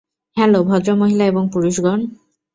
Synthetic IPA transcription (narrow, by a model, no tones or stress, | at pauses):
ɛlobʱɔd̪ɾomoɦilaeboŋpuɾuʃɡɔn